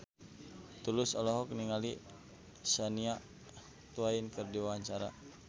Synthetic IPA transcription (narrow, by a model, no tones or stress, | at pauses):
t̪ulʊsɔlɔɦɔk̚niŋali | saniaʔ | t̪uainkərdiwaɲt͡ʃaɾa